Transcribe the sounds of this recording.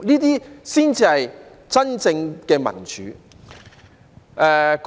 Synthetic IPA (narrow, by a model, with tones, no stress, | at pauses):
niː˥t̪iː˥siː˥nt͡siː˧hɐ˨j | t͡sɐ˥nt͡sɪ˧ŋkɛː˧mɐ̰˨˩nt͡ʃy̰ː˨˦ | ɛ˨˧k